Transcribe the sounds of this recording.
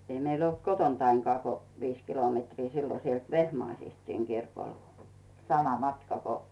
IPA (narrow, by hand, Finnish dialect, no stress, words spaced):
ei meil olt kotontɑiŋkŏɑˑ ko ʋiːs kilometriː silːo sielt ʋehmɑisist siŋ kirkol sɑmɑ mɑtkɑ ko